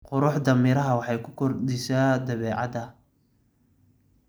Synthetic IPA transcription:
qʊɾʊħd̪ɐmɪɾɐɦɐwɑħɑjkʰʊkʰɔrd̪ɪsaːd̪ɐβɛːʕɑ̰d̪ɐ

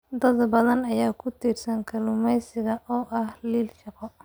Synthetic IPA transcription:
d̪ɐðbɐðɐnɐjaːkʰʊt̪ʰiːrsɐŋkʰɐlʊmɛjsɪɣɐʔɔːʔɐhliːlʃɑqɔ

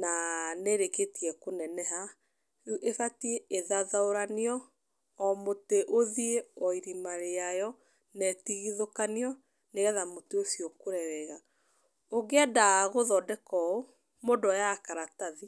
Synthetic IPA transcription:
naneɾeketiɛkonɛnɛɦa | ʔefatieeðaðaoɾaneɔ | ɔmoteʔoðieɔiɾimaɾeajɔ | nɛtiɣiðokaniɔ | neɣɛðamoteosiɔkoɾɛwɛɣa | oɣeadaɣoðɔdɛkɔo | modɔjakaɾataði

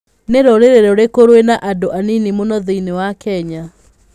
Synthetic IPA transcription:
neɾoɾeɾeɾɛoɾekoɾwenaʔadoʔaninimonɔðeinewakɛɲa

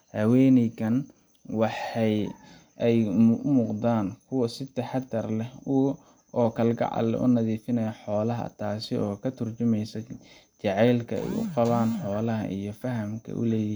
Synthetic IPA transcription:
hɐwɛːnɪkɐn | wɑħɑj | ɛjmʊːqd̪aːnkʰʊwɐsɪt̪ɛħɑd̪ɐrlɛʊ | ʔɔːkʰɐlɡɐ̰ʕɑ̰lːɛ̰ʔʊ̰nɐðiːfɪnɐjɐħɔːlɐɦɐ̰t̪ʰaːsɪɔːkʰɐt̪ʰʊrt͡ʃʊmɛjsɐ | t͡ʃɑʕɛjlkʰɐɛ̰jʊ̰qɑβaːnħɔːlɐɦɐ̰ʔijɞfɐɦɐmkʰɐ̰ʔʊ̰lɛːj

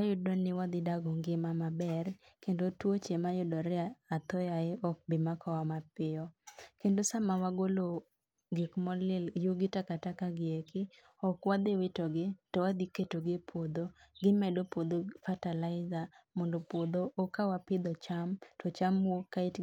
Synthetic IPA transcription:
ajʊdɔnɪwad̪ɪdaɡɔŋɡɪmamabɛrkendotwot͡ʃemajʊdɔɾɪaːt̪ɔjaɛɔk̚bɪmakʰɔwamapɪɔkendosamawaɡolo | ɡikmɔlɪljuɡɪtakatakaɡɪekɪ | ɔkwad̪ɪwɪtɔɡɪtɔwad̪ɪketoɡɪpʰwod̪oɡɪmɛdopod̪ofatalaɪzamɔndopod̪oʔːkawapɪd̪ɔt͡ʃamtɔt͡ʃamwokːaɪt

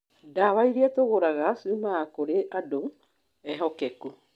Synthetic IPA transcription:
daβaiɾiatoɣoɾaɣasumaːkoɾeʔado | ɛɦɔkɛku

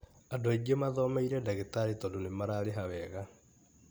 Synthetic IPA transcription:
adoaɡemaðɔmaiɾɛdaɣetaɾetɔdonemaɾaːɾeɦawɛɣa

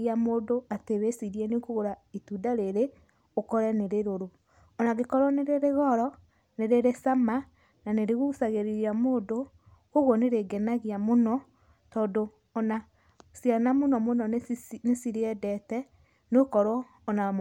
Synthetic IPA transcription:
iamoːdoateβesiɾiɛnekoɣoɾaitudaɾeɾe | okɔɾɛneɾeɾoɾo | ɔnaɣekɔɾwɔneɾeɾeɣɔɾɔ | neɾeɾesama | naneɾeɣusaɣeɾiɾiamoːdo | koɣwɔneɾeɡenaɣiamonɔ | tɔːndoː | na | sjanamonɔmonɔnnesiɾeɛdɛtɛ | nokɔɾwɔː | na

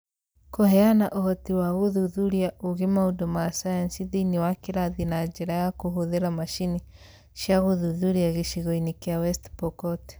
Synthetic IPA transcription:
kɔhɛanaʔɔhɔtiwaɣuðuðuɾjaʔuɣemaudɔmasajansiðiniwakiɾaðinad͡ʒɛɾajakuɦoðeɾamaʃini | ʃjaɣuðuðuɾiaɣiʃiɣɔinikjawɛstpɔkɔt

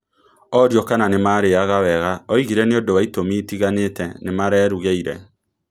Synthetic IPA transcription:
ɔɾjɔkananemaɾeaɣawɛɣaɔiɣiɾɛneodowaitomiːtiɣanetɛnemaɾɛːɾuɣeiɾɛ̰

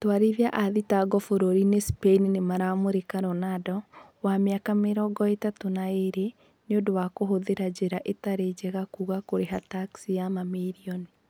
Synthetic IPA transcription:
twaɾiðiaʔaðitaɡɔfoɾoɾinespeininemaɾamoɾekaɾɔnadɔ | wameakameɾɔɡɔetatonaeɾe | neodowakoɦoðeɾad͡ʑeɾaʔetaɾed͡ʒɛɣakuːɣakoɾeɦataksijamamiɾiɔni

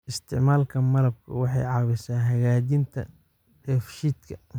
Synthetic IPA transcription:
ʔɪst̪ʰɪʕmaːlkʰɐmɐlɐb̚kʰɐ̰wɑħɑ̰jʕɑβɪsaːnɦɐɣaːt͡ʃɪnt̪ʰɐ̰ | dɛːfʃiːd̪kʰɐ

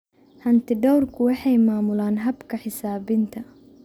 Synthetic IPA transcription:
hɐnt̪ʰɪɖɔwrkʰʊwɑħɑjmaːmʊlaːnɦɐbkʰɐħɪsaːbɪnt̪ʰɐ

